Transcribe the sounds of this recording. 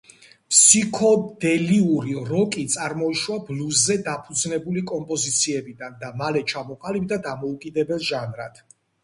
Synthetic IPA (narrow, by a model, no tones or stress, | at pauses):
pʰsikʰɔd̪ɛliuɾiɾɔkʼit̪sʼaɾmɔiʃwabluzːɛd̪apʰud̪znɛbulikʼɔmpʼɔzit̪sʰiɛbid̪and̪amalɛt͡ʃʰamɔqʼalib̚d̪ad̪amɔukʼid̪ɛbɛlˠʒanɾa̰d̪̥